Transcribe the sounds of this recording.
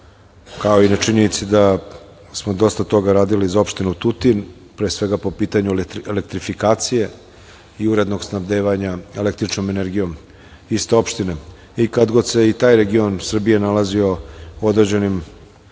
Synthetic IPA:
kao̞inat͡ʃiɲenit̪sid̪a | smo̞d̪o̞st̪at̪o̞ɡaɾaːd̪ilizao̞pʃt̪inut̪ut̪in | pɾeːsʋe̞ɡapo̞piːt̪aɲuelek̚t̪ɾifikaːt̪sije̞ | iuɾe̞d̪no̞ɡsnabd̪eːʋaɲae̞lek̚t̪ɾit͡ʃnomeneɾɡijo̞m | ist̪e̞o̞pʃt̪ine | ikad̪ɡod̪se̞it̪aːjɾe̞ɡio̞nsr̩bije̞nalazio̞uo̞d̪ɾed͡ʑe̞nim

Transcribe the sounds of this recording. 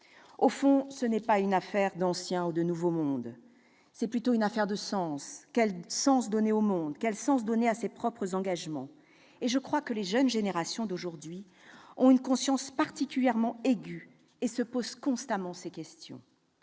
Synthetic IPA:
ofɔ̃sənɛpaynafɛʁd̪ɑ̃sjɛ̃ud̪ənuvomɔ̃d̪ | sɛplyt̪oynafɛʁd̪əsɑ̃skɛlsɑ̃sd̪ɔneomɔ̃d̪kɛlsɑ̃s̬d̪ɔneasepχɔpχəzɑ̃ɡaʒmɑ̰̃ | eʒəkχwakəleʒənʒeneʁasjɔ̃d̪oʒuʁd̪ɥi | ɔ̰̃ynkɔ̃sjɑ̃spaʁt̪ikʲyljɛʁmɑ̃eɡʲy | esəpoz̥kɔ̃st̪amɑ̃sekʲɛst̪jɔ̰̃

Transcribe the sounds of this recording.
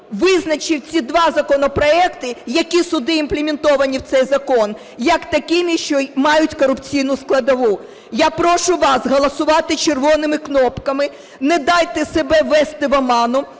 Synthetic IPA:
ʋɪznɐt͡ʃɪwt͡sʲid̪ʋɑzɐkɔnɔpɾɔɛkt̪ɪjɐkʲisʊd̪ɪːmplʲˠemʲɪnt̪ɔʋɐnʲiwt̪sɛjzɐkɔn | jɐkt̪ɐkʲinɪʃt͡ʃɔmɑjʊtʲkɔɾʊpt͡sʲijnʊsklˠɐd̪ɐʋu | japɾɔʃʊʋɑzɦɔlˠɐsʊʋɑt̪ɪt͡ʃerʋɔnɪmɪknɔpkɐmɪ | nɛd̪ɑjt̪ɛsebɛʋɛst̪ɪʋɐmɑnʊ

